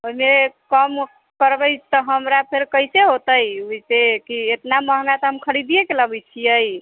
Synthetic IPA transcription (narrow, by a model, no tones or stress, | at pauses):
oimekəm | kəɾbəɪt͡ʃʰt̪əɦəmɾapʰeɾkəjseɦot̪əjuisekiet̪naməɦnat̪ɦəmkʰəɽid̪ijekeləbɛt͡ʃʰijəj